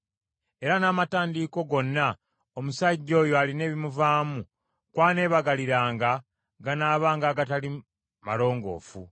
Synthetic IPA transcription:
e̞ɾanaːmataːndiko̞ɡo̞nːa | omusaɟːo̞ːjoaline̞ːβimuvaːmu | kwaːne̞ːβaɡaliɾaːŋɡa | ɡanaːβaːŋɡaːɡatali | ma̰lo̞ːŋɡo̞̰ːfṵ

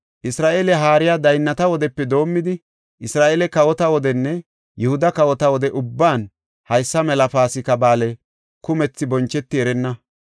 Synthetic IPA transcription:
ʔɪsɾaːʔelɛɦaːɾɪjad̪ɐjnːɐt̪ɐwɔd̪ɛpːɛd̪o̞ːmːɪd̪ɪ | ʔɪsɾaːʔelɛkɐwɔt̪ɐwɔd̪ɛnːɛ | jʊhʊd̪ɐkɐwɔt̪ɐwɔd̪ɛʔʊbːaːn | hɐjsːɐmɛlɐfaːsɪkɐbaːlɛ | kʊmɛt͡sːɪbɔnt͡ʃːɛt̪ːɪɛɾɛnːɐ

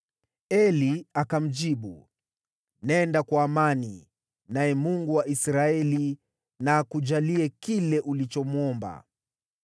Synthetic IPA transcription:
ɛliakam̩d͡ʒiɓu | nɛndakwaːmanḭ | najɛmuŋɡuwaisɾaɛli | naːkud͡ʒaliɛkilɛʔulit͡ʃɔmuɔmba̰

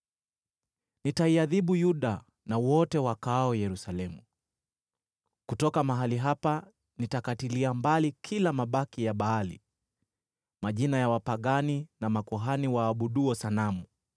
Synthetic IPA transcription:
nitaiaðiɓujuɗa | nawɔtɛwakaɔjɛɾusalɛmu | kutɔkamaɦaliɦapa | nitakatiliambalikʰilamaɓakijaɓaːlḭ | maʄinajawapaɠaninamakɔɦaniwaːɓuɗuɔsanamu

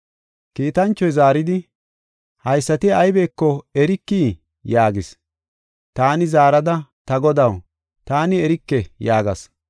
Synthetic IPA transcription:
kiːt̪ɐnt͡ʃːɔjzaːɾɪd̪ɪ | hɐjsːɐt̪ɪɐjbe̞ːkːɔɛɾɪkːiː | jaːɡɪs | t̪aːnɪzaːɾɐd̪ɐt̪ɐɡɔd̪ɐw | t̪aːnɪɛɾɪkːɛjaːɡɐ̰s

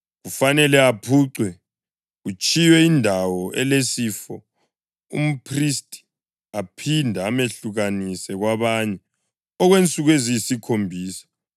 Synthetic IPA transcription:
ɣufanɛlɛapʰuːǀwɛ | ɣut͡ʃʼijwɛindʱawɔʔɛlesifɔ | ṵm̩pʰristʼi̥ | apʰindʱaːmeɬuɣanisɛɣwaβaɲɛ | ɔɣwent͡sʼuɣweziisikʰombʱiːsḁ

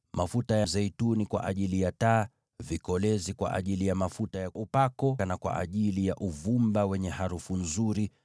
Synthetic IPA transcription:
mafutajazɛitunikwa̰ʔa̰ʄilijataː | vikɔlɛzikwa̰ʔa̰ʄilijamafutajaʔupakɔanakwa̰ʔa̰ʄilijaʔuvumbawɛɲɛhaɾufunzuɾi

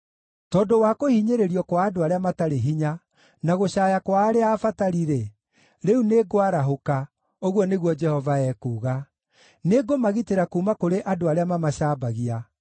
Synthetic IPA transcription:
tɔːdowaːkohiɲeɾeɾiɔkwaːdoaɾeamataɾeɦiɲa | naɣoɕajakwaːɾeaːfataɾiɾe | ɾɛuneɡoaɾaɦoka | oɣwɔneɣwɔd͡ʒɛhɔvaɛkuːɣa | neɡomaɣiteɾakumakoɾeʔadoaɾeamamaɕaːbaɣia

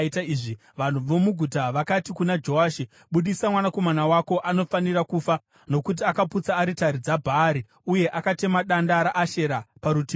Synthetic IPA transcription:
itaiːʐi | ʋan̤uʋo̞muɡʱut̬aʋakatikunad͡ʒo̞waːʃi | ɓuɗisamwanakomanawako̞ʔano̞faniɾakufa | no̞kut̬iakaput͡saːɾitaɾid͡zabʱaːɾi | uje̞ʔakate̞maɗandaɾaʔːʃeɾapaɾutiː

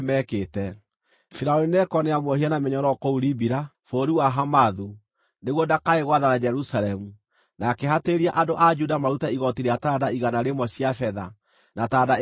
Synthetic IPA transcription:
mɛkeːtɛ | fiɾaoninɛkɔnejamwɔhianamɛɲɔɾɔkouɾibiɾafoɾiwaɦamaðu | neɣwɔdakaeɣwaðaɾad͡ʒɛɾusalɛmu | nakɛɦateɾiaʔadoʔad͡ʒudamaɾutaiɣɔtiɾɛatadaiɣanaɾemɔɕiafɛða | natada

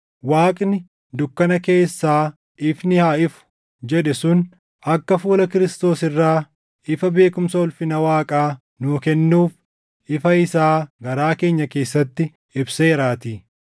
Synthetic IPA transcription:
waːkʼnɪ | d̪ʊkːɐnɐke̞ːsːaː | ʔɪfnɪhaːʔɪfʊ̥ | d͡ʒɛᶑɛsʊn | ʔɐkːɐfuːlɐkɪɾɪst̪o̞ːsɪrːaː | ɪfɐbe̞ːkʊmsɐɔlfɪnɐwaːkʼaː | nuːkɛnːuːf | ɪfɐɪsaːɡɐɾaːke̞ːɲːɐke̞ːsːɐt̪ːɪ | ɪbseːɾaːt̪iː

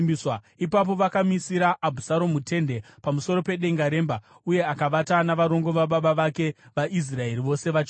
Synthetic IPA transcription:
iswa | ipap̬o̞ʋakamisiɾaʔːbʱusaɾomute̞nde̞pamusoɾo̞pe̞ɗe̞ŋɡaɾe̞mba | uje̞akaʋatanaʋaɾo̞ŋɡo̞ʋaɓaɓaʋake̞ʋaʔis̬rae̞ɾiʋo̞se̞ʋat͡ʃ

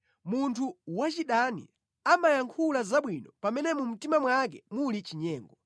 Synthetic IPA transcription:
muntʰuwat͡ʃiɗanḭ | amajaŋkʰulazaɓwinɔpamɛnɛmum̩timamwak̬ɛmulit͡ʃiɲɛːŋɡɔ

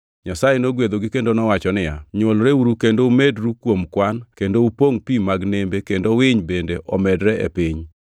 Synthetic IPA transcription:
ɲasajenoɡwed̪oɡɪkendonɔwat͡ʃɔnɪjaɲwolɾeuɾukendoumedɾukwomkwankendoupoŋpimaɡnembekendowɪɲbendeʔɔmɛdɾɛḛpɪɲ

